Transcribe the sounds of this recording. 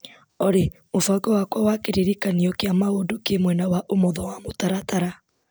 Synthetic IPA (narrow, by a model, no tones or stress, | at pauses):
ɔɾe | mofaɡɔwakwawakeɾeɾikaniɔkeamaodokemwɛnawaʔomɔðɔwamotaɾataɾa